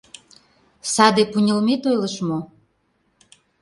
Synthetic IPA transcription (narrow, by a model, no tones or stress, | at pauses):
sɑd̪epunʲəlmet̪ojləʃmo